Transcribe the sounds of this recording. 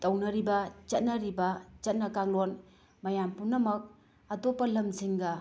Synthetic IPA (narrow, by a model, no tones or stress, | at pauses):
tɐwnɐɾibɐt͡ʃɐt̚nɐɾibɐt͡ʃɐt̚nɐkaŋlon | mɐjampunɐmɐk̚ | ɐtopːɐlɐmziŋɡɐ